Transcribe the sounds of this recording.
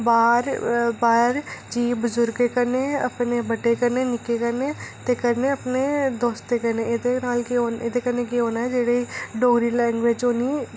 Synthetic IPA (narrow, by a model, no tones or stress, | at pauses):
baːɾbaːɾd͡ʒiːbʊzʊɾɡekɐɾneɐ̰pnebɐʈekɐɾnenɪkekɐɾnet̪ekɐɾneɐpned̪oːst̪ekɐɾneed̪enaːlkeoːned̪ekɐɾnekiɦoːnaɦɛd͡ʒeːɽeiɖoːɡɾilɛ̃ːŋɡʋed͡ʒoːni